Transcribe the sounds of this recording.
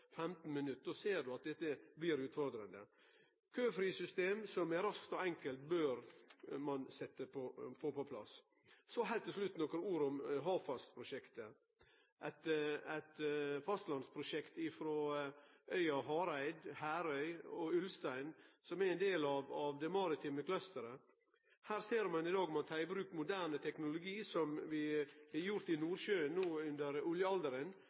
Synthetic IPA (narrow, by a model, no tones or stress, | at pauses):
fɛmt̪n̩mɪnʉt̪̚ːd̪oseːɖʉɑt̪̚d̪ɛt̪ːəbliːɾʉːt̪fɔɾd̪ɾənd̪ə̰ | kʰøːfɾiːsʏst̪eːmsɔmɛɾɑskt̪ɔɛŋkəlt̪bøːɾmɑnsɛt̪ːəpʰɔfoːpɔpʰlɑ̰s | sɔɦɛɪt̪ʰːəslʉt̪ːnɔkːəɾuːɾɔmɦɑːʋfɑst̪pʰɾʊʃɛkt̪ə | ʔæt̪æɪt̪fɑst̪lɑnspʰɾʊʃɛkt̪ɪfɾoːʔœʏɑɦɑːɾæɪd̪hæːɾœʏɔʉlst̪æɪnsɔmɛɾɛɪnd̪eːlɑʋɑʋd̪ɛmɑɾɪt̪ʰɪːməkʰlœst̪əɾə | hæːɾseːɾmɑnɪd̪ɑːɡɔmɑt̪ʰæɪbɾʉːkmʊd̪æːnət̪ʰɛknʊlʊɡiːsɔmʋɪæjʊɾt̪ɪnuːɾʃøːənːuːʉnd̪əɾʉljəɑld̪əɾən